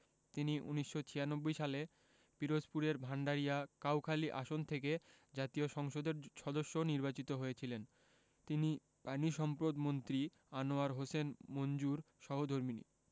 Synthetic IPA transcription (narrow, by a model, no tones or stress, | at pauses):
t̪iniʔṵniʃːot͡ɕʰijanobːojʃale | piɾospuɾeɾbʱaɳɖaɾijakawkʰaliʔaʃont̪ʰek̬e | d͡ʑat̪ioʃɔŋʃod̪eɾʃɔd̪oʃːoniɾbat͡ɕit̪oɦojet͡ɕʰilen | t̪ini | paniʃɔmpɾod̪mont̪ɾi | anoaɾɦosenmond͡ʑuɾ | ʃɔɦod̪ʱoɾminḭ